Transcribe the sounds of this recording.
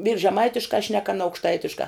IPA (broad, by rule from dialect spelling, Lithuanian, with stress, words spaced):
ʋʲiːrs ʒʲɛˈmɐɪtʲɪʃkɑː ʃʲnʲɛk ɐˈnɐ ɐʊkʃˈtɐɪtʲɪʃkɑː